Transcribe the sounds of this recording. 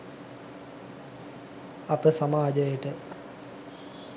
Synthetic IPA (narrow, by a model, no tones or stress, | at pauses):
apəsamaːd͡ʒəjəʈə